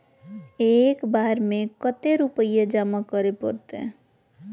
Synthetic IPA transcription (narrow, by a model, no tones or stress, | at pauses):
eːkbaɾmẽkət̪eɾupəjed͡ʒamakəɾepə̰ɾt̪ḛ